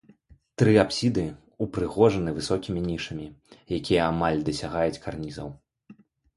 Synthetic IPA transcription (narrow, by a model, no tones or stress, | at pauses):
t̪ɾɨapsʲid̪ɨ | upɾɨɣɔʐɐnɨvɨsɔkʲimʲinʲiʂɐmʲijakʲijɛamalʲd̪ɐsʲaɣajut͡sʲkarnʲizɐ̰w